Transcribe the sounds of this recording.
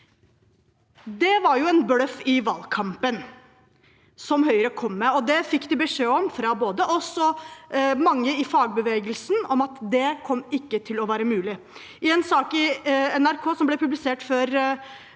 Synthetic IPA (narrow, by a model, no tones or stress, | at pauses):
d̪ɛʋɑɾjʊɛnblœfɪʋɑːlkʰɑmpən | sɔmhœʏəɾəkʰɔmːɛɔd̪ɛfɪkːd̪ɪbəʂeːɔmfɾɑboːd̪əʔɔsɔ | mɑŋːəɪfɑːɡ̚bəʋeːɡəlsn̩ɔmɑt̪d̪ɛkʰɔmːɪkːət̪ʰɪlɔʋæːɾəmʉːlɪ | ɪɛnsɑːkɪɛnæɾkʰoːsɔmblɛpʉblɪseːʈføːɾ